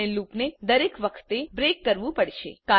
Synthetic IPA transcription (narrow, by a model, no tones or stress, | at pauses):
elupned̪əɾekʋəkʰt̪ebɾekːəɾʋũpəɽʃḛka